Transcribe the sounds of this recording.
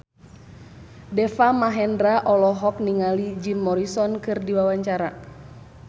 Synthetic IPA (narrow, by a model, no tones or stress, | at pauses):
dɛfamaɦɛndɾaʔɔlɔɦɔk̚niŋalid͡ʒimːɔɾisɔnkɨrdiwawaɲt͡ʃaɾa